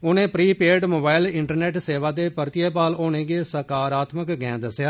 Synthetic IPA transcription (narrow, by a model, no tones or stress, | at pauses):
ʊnẽːpɾiːpeːɾɖmoːbaːɪlɪɳʈəɾneːʈseːʋaːd̪eːpəɾt̪ɪjeːpaːloːnẽːɡeːsəkaːɾaːt̪məkɡɛ̃ːd̪əsjaː